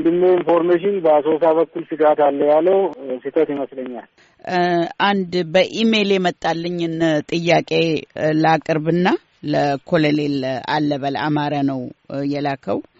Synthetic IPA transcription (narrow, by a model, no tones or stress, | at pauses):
nd̪ɨnːoinfoɾmeʃ̬ɪnbəas̬os̬aβəkːulsɨɡɾat̪alːəjalːəwsit̪ʰət̪jiməsləɲːa̰l | ʔand̪bəʔime̞ljɛmət̪ʼːalːəɲːɨnt̪ʼɨjːakʼe̞lakʼɨɾbɨnːa | ləkʰo̞lelela̰lːəβala̰maɾanəwjɛlakʰəw